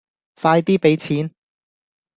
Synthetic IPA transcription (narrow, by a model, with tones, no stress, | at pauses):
faː˧jt̪iː˥pe˨˥jt͡sʰiː˨˥n